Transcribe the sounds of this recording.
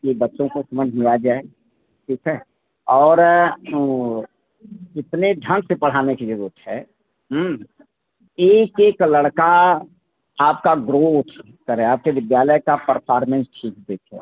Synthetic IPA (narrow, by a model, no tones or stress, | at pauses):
kibətːʃõkosəməd͡ʒʱlijad͡ʒaːe | ʈʰiːkʰɛ | ɔːɾ | ɪt̪neɖʱə̃ŋɡsepɐɽ̤aːnekid͡ʒəɾuət̪ɦɛ̰ː | ɦ | eːkeːkləɽka | aːp̚kaɡɾoːt̪ʰ | kəɾẽaːp̚ked̪ɪd̪jaːləjkapəɾpʰaːɾmẽnsʈʰiːk̚d̪eːkʰɛ̰ː